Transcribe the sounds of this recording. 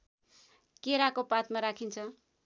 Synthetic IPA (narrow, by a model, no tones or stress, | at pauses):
keɾakopat̪maɾakʰint͡sʰʌ